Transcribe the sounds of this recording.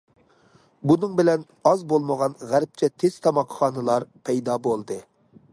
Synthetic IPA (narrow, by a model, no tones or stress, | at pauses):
bunɨŋbɪlɛn | ɑzbolˠməʁɑnʁæɾp̚t͡ʃʰɛt̪ʰez̥t̪ʰɑmɑqχɑːnɨlˠɑɾpʰɛjd̪ɑːbolˠd̪ɨ